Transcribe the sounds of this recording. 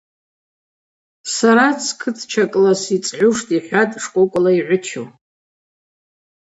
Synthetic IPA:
saɾat͡sʰkʰɨtʰt͡ʃʰakʼlasit͡sʼʕʷʊʂtʼiħʷatʼʂkʷʼʊkʷʼlaiʕʷʊt͡ʃʰo̰

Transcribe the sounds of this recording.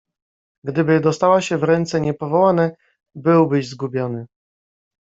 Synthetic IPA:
ɡd̪ɘbɘd̪ɔst̪awaɕɛvɾɛnt̪sɛɲɛpɔvɔwanɛ | bɘwbɘʑzɡubʲjɔnɘ

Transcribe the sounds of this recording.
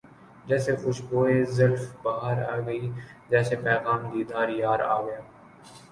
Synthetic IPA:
d͡ʒɛːsexʊʃboːezɐlfbaːɦəɾa̰ːɡəiːd͡ʒɛːsepɛːɣaːmd̪iːd̪aːɾjaːɾa̰ːɡəjaː

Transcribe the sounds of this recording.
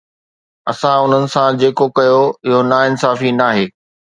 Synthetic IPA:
ɐsãʊn̤ənɪ̆sãd͡ʑeːkokɐjoɪɦonaːɪnsaːfinaːɦeː

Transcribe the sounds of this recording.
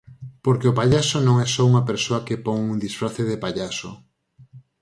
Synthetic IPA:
poɾkeʊpaʎasonõŋɛsɔuŋɐpeɾsoɐkepoŋuŋd̪isfɾaθeðepaʎaso

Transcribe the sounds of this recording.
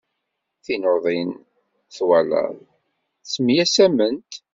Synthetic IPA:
θinoðˤin | θwælə̰ðˤ | t͡sːmjæsæmənt̪

